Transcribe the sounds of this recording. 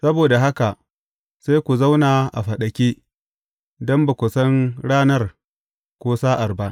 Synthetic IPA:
sɐ˦boː˨da˨ɦa˦ka˨ʔ | sa˦jkʷu˨za˦wnaː˨ʔa̰˨ɸɐ˨ɗɐ˨kʲeː˦ | dɐ˦mbɐ˨kʷʊ˨sɐ˦ŋɽaː˦nɐ˦r | kʷoː˦saː˦ʔa˨rba˦ʔ

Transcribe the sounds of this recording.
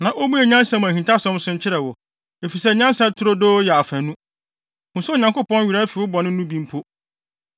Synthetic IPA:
nã˨ʔo˦mũ˦ɛ˨ɲã˦n˦sa˦mʊ̃˨æ̃˨hĩ˨tʰa˦sɔ̃˦m˦sʊ̃˦ɲ˦t͡ɕʰɪ˦ɾɛ˨wɔ˨ | e˨fi˨sɛ˦ɲã˦nsɛ˦tʰʊ˦ɾo˦doː˦jɛ˨a˨fæ̃˨nũ˦ | hʊ̃˨su˦˨ɲã˨kʊ˦pɔ̃˦nɥi˨ɾa˦fi˨wʊ˦bɔ˨nɪ̃˦nũ˦bĩ˦m˦pʰo˦

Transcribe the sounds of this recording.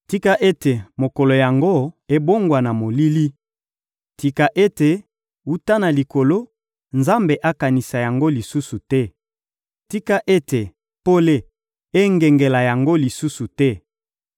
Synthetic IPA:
ti˦ka˦ʔe˦te˨mo˨ko˨lo˨ja˨ŋɡo˦e˦bo˦ŋɡwa˨na˨mo˨li˦li˦ | ti˨ka˨ʔe˦te˨ | u˦ta˦na˨li˨ko˨lo˦ | nza˦mbe˨ʔa˦ka˨ni˨sa˨ja˨ŋɡo˦li˨su˦su˨tɛ˦ | ti˦ka˦ʔe˦te˨ | po˦le˦ | e˦ŋɡe˨ŋɡe˨la˨ja˨ŋɡo˦li˨su˦su˨tɛ˦

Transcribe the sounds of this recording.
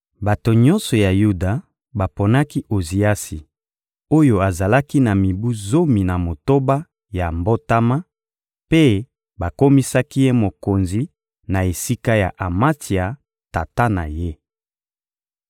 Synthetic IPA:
ba˨to˨ɲɔ̃˦nsɔ˨ja˨ju˦da˨ | ba˨po˨na˦ki˦ʔo˨zi˨a˦si˨ | o˦jo˦a˨za˨la˦ki˦na˨mi˨bu˦zo˦mi˨na˨mo˨to˦ba˦ | ja˨mbo˦ta˦ma˦ | pe˦ | ba˨ko˦mi˦sa˦ki˦je˦mo˨ko˨nzi˨˦ | na˨e˨si˦ka˦ja̰˨ʔa˨ma˦ti˨a˨ | ta˨ta˦na̰˨je˦

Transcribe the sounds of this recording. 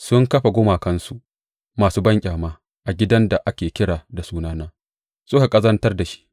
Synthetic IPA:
sʊ˦ŋkɐ˦ɸa˨ɡʷʊ˦maː˨kɐ˦nsu˦ʔ | maː˨suː˦bɐ˦ŋkʲʼaː˨maː˦ | ʔa˨ɡʲɪ˦dɐ˦nda˨ʔa˦kʲeː˨kʲɪ˦ɽaː˨da˨suː˦naː˦naː˦ | sʊ˦ka˨kʼɐ˦zɐ˦ntɐ˦rda˨ʃi̥˦ʔ

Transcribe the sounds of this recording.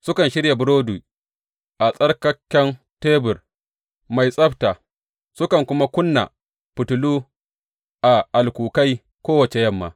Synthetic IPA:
sʊ˦kɐ˨nʃɪ˦ɽja˨bʊ˦ɽoː˦duː˨ | ʔa˨sʼɐ˦rkɐ˦kʲːɐ˦n | teː˦bʊ˨r | ma˨jsʼɐ˦ɸtaː˨ | sʊ˦kɐ˨ŋkʷʊ˦ma˦kʷʊ˦nːa̰˨ | pʊ˨tʊ˨luː˦ | ʔa˨ʔa˨lkʷuː˨ka˦j | kʷoː˦wɐ˨t͡ʃe˨jɐ˦mːa̰ː˨

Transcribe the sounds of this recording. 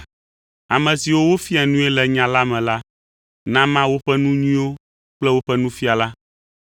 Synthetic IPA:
a˨mɛ̃˨si˨wo˦wo˦fi˦a˨nũ˦ɛ˦lɛ˨ɲã˨la˦mɛ̃˨la˦ | nã˦mã˦wo˦ɸɛ˦nũ˦ɲĩ˦wo˦ | k͡plɛ˦wo˦ɸɛ˦nũ˦fi˦a˨la˦

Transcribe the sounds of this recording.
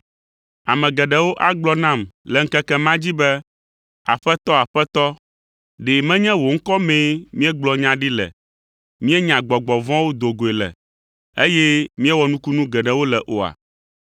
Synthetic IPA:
a˨mɛ̃˨ɡɛ˨ɖɛ˨wo˦ʔa˦ɡ͡blɔ˦nã˦˨mlɛ˨ŋ̩˦kɛ˦kɛ˦mã˦d͡ʑi˦bɛ˦ | a̰˨ɸɛ˦t̪ɔ˦a˨ɸɛ˦t̪ɔ˦ | ɖe˨mɛ̃˦ɲɛ̃˦wo˨ŋ̩˦kɔ˦mɛ̃˦mĩ˦ɛ˦ɡ͡blɔ˨ɲã˦ɖi˦lɛ̰˨ | mĩ˦ɛ˦ɲã˨ɡ͡bɔ˨ɡ͡bɔ˨vɔ̃˦wo˦d̪o˨ɡo˨e˨lɛ̰˨ | e˦jɛ˦mĩ˦ɛ˦wɔ˨nũ˦ku˦nũ˦ɡɛ˨ɖɛ˨wo˦lɛ˨ʔo˨a̰˨

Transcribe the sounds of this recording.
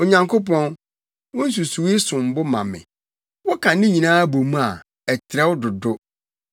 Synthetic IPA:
o˨ɲã˨ŋkʰo˦pɔ̃˦n | wɔ̃˦n̩˦s̬u˨su˨wi˦sʊ̃˨m̩˨bʊ˦mã̰˨mɪ̰̃˨ | wɔ˦kʰã˨nɪ̃˦ɲĩ˨nãː˦bo˨mũ˦a˨ | ɛ˨tʰɪ˨ɾɛ˦wʊ˦dʊ˨dʊ˦

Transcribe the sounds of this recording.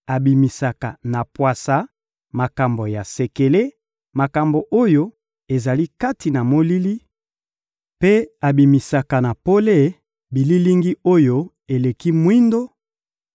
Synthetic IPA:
a˨bi˨mi˨sa˨ka̰˨na˨pwa˨sa˨ | ma˨ka˨mbo˨ja˨se˨ke˨le˦ | ma˨ka˨mbo˨ʔo˦jo˦ | e˨za˨li˦ka˦ti˨na˨mo˦li˦li˦ | pe˦a˨bi˨mi˨sa˨ka˨na˨po˦le˦˨ | bi˨li˦li˦ŋɡi˦o˦jo˦ | e˨le˨ki˦mwi˦ndo˦

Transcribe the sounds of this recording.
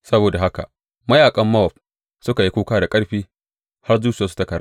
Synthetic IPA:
sɐ˦boː˨da˨ɦa˦ka̰˨ʔ | mɐ˦jaː˨kʼɐ˦mːɐ˦ɔ˨ɸ | sʊ˦ka˨ji˦kʷuː˦kaː˦da˨kʼɐ˦ɽɸiː˦ | ha˦rzuː˦t͡ʃɪ˨jaː˨˦s̬u̥˦tɐ˦kɐ˨ɾa̰˦

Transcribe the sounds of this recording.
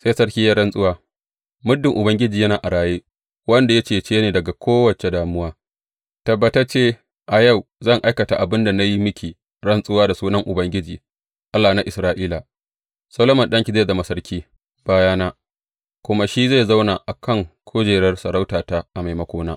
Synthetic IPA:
se˦sɐ˦rkʲiː˦ja˦ɽɐ˦nsʼʊ˦waː˦ | mʊ˦dːɪ˨ŋʔʊ˨bɐ˦ŋɡʲɪ˦d͡ʒiː˨jɐ˦naː˨ʔa˨ɽaː˨jeː˦ | wɐ˦nda˨ja˦t͡ʃeː˨t͡ʃeː˦neː˨dɐ˨ɡa˨kʷʰoː˦wɐ˨t͡ʃe˨daː˨mʊ˦waː˦ | tɐ˨bːɐ˨tɐ˦t͡ʃeː˦ | ʔa˨ja˦˨wzɐ˦˨ŋʔa˦jkɐ˨ta˨ʔa˨bɪ˦nda˨na˦ji˦mɪ˦kʲi˨ | ɽɐ˦nsʼʊ˦waː˦da˨suː˦nɐ˦ŋʔʊ˨bɐ˦ŋɡʲɪ˦d͡ʒiː˨ | ʔa˦lːaː˨na˦ʔɪ˨sɾaː˦ʔiː˦la˨ | sɐ˦loː˦mɐ˨nɗɐ˦ŋkʲi˨za˦˨dɐ˨ma˨sɐ˦rkʲiː˦ | b̥aː˦jaː˦naː˦ | kʷʊ˦ma˦ʃi˦za˦˨za˦wna˨ʔa˨kʰɐ˦˨ŋkʷʰoː˦d͡ʒeː˨ɽɐ˦rsɐ˨ɽa˦wtaː˨ta˦ʔa˨ma˨jmɐ˦kʷoː˦naː˦

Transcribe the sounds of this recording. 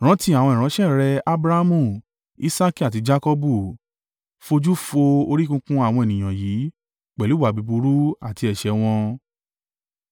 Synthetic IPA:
ɾ̃ã˨˦ti˧˦a˨w̃ɔ̃˧ĩ˨ɾ̃ã˨˦ʃɛ̃˦˨ɾɛ˧a˦bɾa˦mũ˧˨ | i˦sa˦ki˦a˨t̬i˨˧d͡ʒa˦kɔ˦bu˦˨ | fo˧d͡ʒu˦fo˧o˧ɾi˦kũ˧kũ˦a˦˨wɔ̃˧e˨nĩ˨j̃ã˨jiː˨˦ | k͡pɛ˨lu˦wa˨bi˨˧bu˧ɾu˦a˦˨ti˧ɛ˨ʃɛ˧w̃ɔ̃˧

